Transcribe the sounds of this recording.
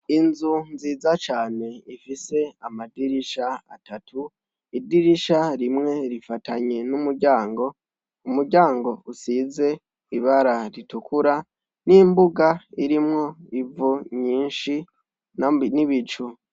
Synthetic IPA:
inzunziːzat͡ʃaːne̞ifise̞amadiɾiʃaa̰tatʰu | idiɾiʃaɾimŋe̞ɾifatʰaɲe̞numuɾɟaːŋɡo̞ | umuɾɟaːŋɡo̞usize̞ | iβaɾaɾitukuɾa | nimbuɡaiɾimŋo̞ivuɲiːnʃi | nniβit͡ʃu

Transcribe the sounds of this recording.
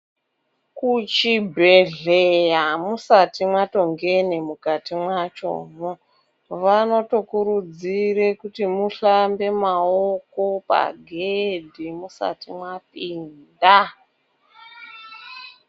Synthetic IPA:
kut͡ʃibʱeɮejamusatimwato̞ŋɡe̞nemukatimwat͡ʃo̰ːmo | ʋano̞to̞kuɾud͡zirekutimuɬambe̞maoko̞pa̰ɡʱedʱimusa̰timwapinda

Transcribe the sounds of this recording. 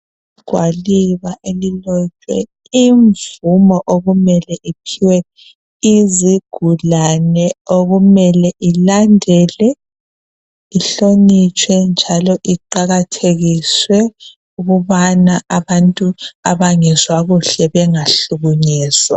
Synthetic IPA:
iɡ̥ʱwaliβaʔelilɔt͡ʃʼwɛ̰ | iɱvumɔʔoɣumɛlɛʔipʰiwɛ | iziɡ̥ʱulanɛoɣumɛlɛʔilandʱɛlɛ | iɬonit͡ʃʰʼwɛnd͡ʒʱalɔʔiǃaɣatʰeɣiswɛ | uɣuβanaʔaβantʼuaβaŋɛzwaɣuɬɛβɛŋaɬuɣuɲiːswa

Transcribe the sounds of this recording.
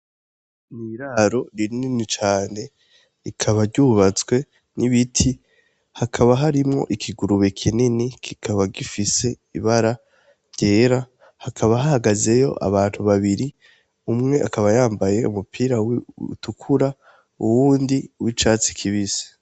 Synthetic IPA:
niɾaɾo̞ɾinninit͡ʃaːne̞ | ikʰaβaɾɟuːβat͡swe̞ | niβitʰi | hakʰaβaɦaɾimŋo̞̰ʔikʰiɡuɾuβe̞kʰininikʰikʰaβaɡifise̞ | ḭβaɾa | ɾɟe̞ːɾa | hakʰaβaɦahaɡaze̞jo̞̰ʔa̰βaːn̥huβaβiɾi | umŋe̞ʔakʰaβajaːmbaje̞umupʰiːɾawṵtukʰuɾa | uwuːndiwit͡ʃaːt͡si̥kʰiβise̥

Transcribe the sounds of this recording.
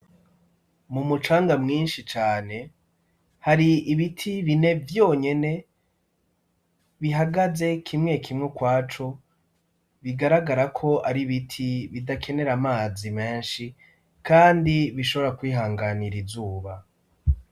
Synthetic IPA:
mumut͡ʃaːŋɡamŋiːnʃit͡ʃaːne̞ | haɾiːβitʰiβine̞vjo̞ːɲe̞ne̞ | βiɦaɡaze̞kʰimŋe̞kʰimŋekwaːt͡ʃo̞ | βiɡaɾaɡaɾakʰo̞ʔaɾiβitʰiβidakʰe̞ne̞ɾamaːzime̞ːnʃi | kaːndiβiʃo̞βo̞ɾakwiːɦaːŋɡaniɾizuːβa

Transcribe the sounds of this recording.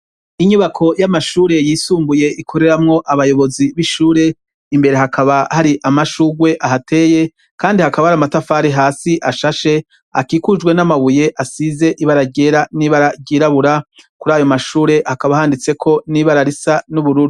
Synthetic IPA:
iɲuβakʰo̞jamaʃuːɾe̞jiːsuːmbuje̞ikʰo̞ɾe̞ɾamŋo̞ʔaβajo̞βo̞ziβiʃuːɾe̞ | imbe̞ɾe̞ɦakʰaβahaɾiʔamaʃuːɡwe̞ʔaɦatʰe̞ːje̞ | kaːndihakaβahaɾamatafaːɾeɦaːsiʔaʃaʃe̞ | akiːkud͡ʒwe̞namaβuje̞ʔasize̞ʔiβaɾaɟe̞ːɾaniːβaɾaɾɟiːɾaβuɾakuɾaːjo̞maʃuːɾe̞hakaβahaːndit͡se̞kʰo̞niːβaɾaɾisanuβuɾuɾi

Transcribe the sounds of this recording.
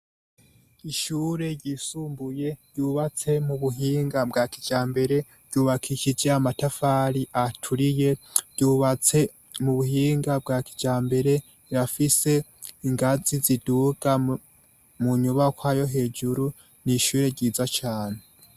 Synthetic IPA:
iʃuːɾe̞ɾɟiːsuːmbuje̞ɾɟuːβat͡se̞muβuɦiːŋɡabɡaːkid͡ʒaːmbe̞ɾe̞ | ɾɟ̥uːβakʰiʃid͡ʒeamatafaːɾiʔatʰuɾije̞ɟ̥uːβat͡se̞ | muβuhiːŋɡabɡaːki̥d͡ʒaːmbe̞ɾe̞ | ɾafise̞ | iŋɡaziziduɡ̥a | muɲuβakwaːjo̞ɦe̞ːd͡ʒuɾu | niʃuːɾe̞ɾɟiːzat͡ʃaːne

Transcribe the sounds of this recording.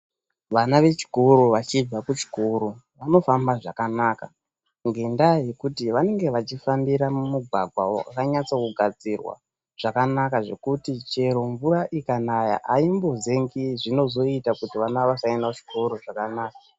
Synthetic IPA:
ʋanaʋe̞t͡ʃi̥koɾoʋat͡ʃib͡vakut͡ʃi̥koɾu | ʋano̞fambaʐakanaːka̰ | ŋɡe̞ndaje̞kutiʋane̞ŋɡe̞ʋat͡ʃifambiɾamumuɡʱwaɡʱwa̰o̰a̰kaɲat͡sokuɡʱad͡zirwa̰ | ʐ̥akanakaʐe̞̰kutit͡ʃe̞ɾo̞ɱvuraʔikanaja̰ʔaimbo̞ze̞ŋɡiʐino̞zo̞itakutiʋanaoʋasaendaut͡ʃi̥kʰo̞ɾoʐakanaːka

